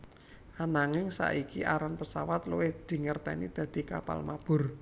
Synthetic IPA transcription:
ʔanaŋɪŋsa̰ʔikiʔaɾanpəsawat̪lowɪhd̪̥i̤ŋərt̪ɛnḭd̪̥ä̤d̪̥i̤ka̰pa̰lmab̥ʊ̤r

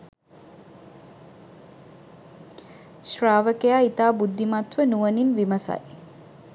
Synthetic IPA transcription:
ʃraːʋəkejait̪aːbud̪ːimat̪ʋənuʋəninʋiməsa̰j

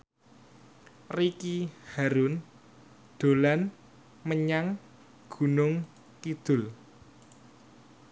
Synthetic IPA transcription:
rikihaɾun | ɖ̪̥o̤lan | məɲaŋ | ɡ̥ṳnʊŋ | kid̪̥ʊ̤l

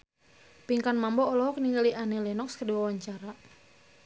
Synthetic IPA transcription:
piŋkanmambɔːlɔɦɔkniŋɡəliʔanelɛnɔkskədiwawaɲt͡ʃaɾa

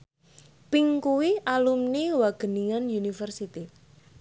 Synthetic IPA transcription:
piŋkuwiʔalumniwaɡ̥ə̤niŋanjunifərsit̪i

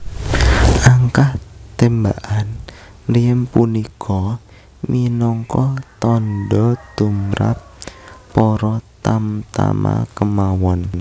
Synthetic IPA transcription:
ʔaŋkaht̪embaʔan | riəmpunikʰɔ | minɔŋkɔt̪ɔnɖɔd̪̥umɾa̰p̚ː | ɔɾɔt̪amt̪a̰ma̰kəmawɔn

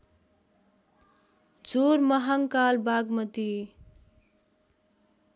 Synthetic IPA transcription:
d͡zoɾmʌɦaŋkalbaɡmʌt̪i

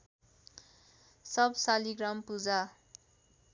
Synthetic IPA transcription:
sʌbsaliɡrampud͡za

